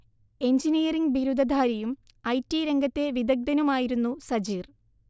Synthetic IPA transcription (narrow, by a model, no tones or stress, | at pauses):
e̞ɲd͡ʑinijɐriŋɡbiɾud̪ʱɐd̪ʱaːɾijum | ɐjtːiɾeŋɡʱɐt̪ːe̞ʋid̪ʱɐk̚d̪ɐnumaːjiɾunːusɐd͡ʑiːr